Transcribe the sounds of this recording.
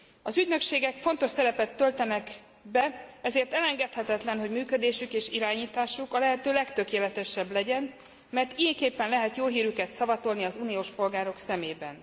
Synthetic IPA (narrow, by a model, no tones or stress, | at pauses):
ɒzyɟnø̞kʃeːɡɛkfo̞nt̪o̞ʃsɛɾɛpɛt̪ːølt̪ɛnɛk | bɛɛzeːrt̪ɛlɛŋɡɛt̪hɛt̪ɛt̪lɛnɦo̞ɟmyːkød̪eːʃykeːʃiɾaːɲiːt̪aːʃukɒlɛɦɛt̪øːlɛkt̪ø̞keːlɛt̪ɛʃɛblɛɟɛn | mɛrt̪ijɛŋkeːpːɛnlɛɦɛt̪joːɦiːɾykɛt̪sɒvɒt̪o̞lniɒzuːnijoːʃpo̞lɡaːɾo̞ksɛmeːbɛ̰n